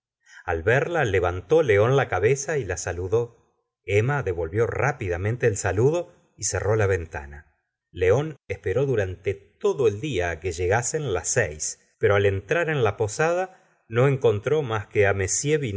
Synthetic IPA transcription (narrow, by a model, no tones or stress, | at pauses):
alβɛɾlale̞βant̪o̞le̞o̞nlakaβesailasaluðo̞ | emaðe̞βo̞lβjo̞rʔapiðamẽnt̪e̞ːlsaluðo̞ | isero̞laβe̞nt̪a̰na | leo̞nespeɾo̞ðuɾant̪et̪oðoe̞ld̪iake̞ʒe̞ɣase̞nlasɛjs | peɾo̞ale̞nt̪ɾaɾe̞nlapo̞sað̞a | no̞e̞ŋko̞nt̪ɾo̞maskeamesjeβin